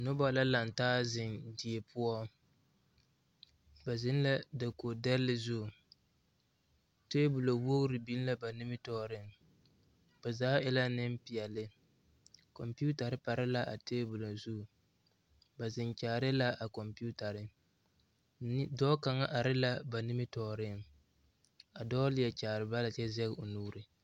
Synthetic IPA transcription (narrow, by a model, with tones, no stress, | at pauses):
nʊ˦ba˦la˦la˨ntaː˦zɪ˨ndi˨e˨pʰʊ˦ɔ˦ | ba˨zɪ˦n˦la˦da˨ko˨dɛ˦ɾlɪ˦zʊ˦˨ | teː˦bʊ˨lo˨wo˦ɾɪ˨bi˦n˦la˦ba˨nɪ˦mɪ˦tɔː˦˨ɾɪ˦ŋ | b̥a˨zaː˦ɪ˦la˦nɪ˦m˦pi˨ɛ˨lɪ˦ | kɔ˨mpi˦u˦ta˨ɾɪ˦pa˨ɾɪ˦la˦ʔa̰˨teː˦bʊ˨lo˨zu˦˨ | ba˨zɪ˨nt͡ʃaː˨ɾɪ˦la˦ʔa˨kɔ˨mpi˦u˦ta˨ɾɪ˦ | dɔː˦ka˨ŋa˦ʔa˨ɾɪ˦la˦ba˨nɪ˦mɪ˦tɔː˨ɾɪ˦˨ŋ | a˨dɔː˦lɪ˦jɛ˨t͡ʃaː˨ɾɪ˨ba˦la˨t͡ʃɛ˦zɛ˦ɣo˨nuː˦ɾɪ˨